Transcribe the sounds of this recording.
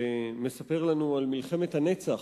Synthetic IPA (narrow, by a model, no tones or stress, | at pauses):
eme̞sape̞ʁlanualmilχe̞met̪hane̞t͡saχ